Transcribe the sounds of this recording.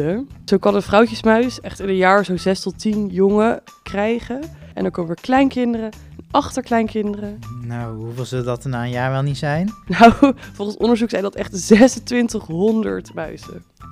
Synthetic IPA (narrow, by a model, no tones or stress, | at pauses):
əz̥owkɑnənvrʌwcəsmœɥsɛχtɪnənjaːɹzowzɛstɔtinjoŋə | krɛjχəʔɛ̰ndɑɹkowməʋɪːɹklɛjnkɪndərə | nʔɑχtəɹklɛjnkɪndərənawɦɦuvelˠzəldɑtənaːənjaːɹʋɛlˠnitsɛjnnawvɔlˠχənsɔndəɹzuksɛjndɑtɛχtzɛsəntʋɪntəχɦɔndə̰ɹtmœ̰ɥsə̰